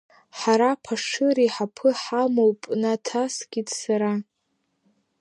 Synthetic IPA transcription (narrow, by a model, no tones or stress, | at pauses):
ħaɾapʰaʂɨɾiħapʰɨħamowpʼnatʰasɡʲitʼsaɾa